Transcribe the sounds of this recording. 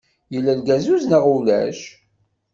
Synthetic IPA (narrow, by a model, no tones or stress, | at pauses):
jəlːælɡæzuznaʁulæ̰ʃ